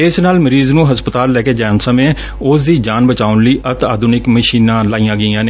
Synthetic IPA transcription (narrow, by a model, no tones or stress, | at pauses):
ɪsnaːlməɾiːznũːɦəspət̪aːlːɛːkeːd͡ʒɛːnsəmẽː | ʊsd̪iːd͡ʒaːnbət͡ʃaːʊnləiːʔət̪aːd̪uːnɪkməʃiːnãːlaːijãːɡəiːãːneː